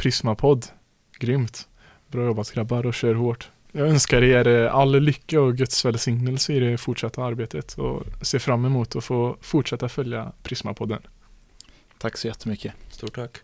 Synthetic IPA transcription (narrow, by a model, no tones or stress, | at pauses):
pʰɾɪsmapʰɔd̪ | ɡɾʏmt̪ | bɾɑːjɔbɑskɾɑbaɾɔʃøːɾhoːʈ | jæɡœnskəɾɛjæːɾəʔɑlːəlʏkːəɔɡœt̪sʋɛlsɪŋnəlsəɪd̪ɛfɔʈʂɑt̪ːəɑɾbeɪt̪ʰət̪ʰɔ̰seːfɾamːɛmuːt̪ʰɔfoːfʊʈʂɛt̪ːafœlja̰pʰɾɪsma̰pʰɔd̪ːə̰n | t̪ʰaksɔjɛt̪ʰːəmʏkːəst̪uːʈʰakː